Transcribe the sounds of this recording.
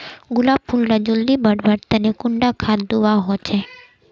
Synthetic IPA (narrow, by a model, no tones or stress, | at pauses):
ɡʊlab̚pʰulnad͡ʒuld̪ibəɽʋəɽt̪ɛnekʊɳɖakʰat̪d̪uʋaɦɔt͡ʃʰe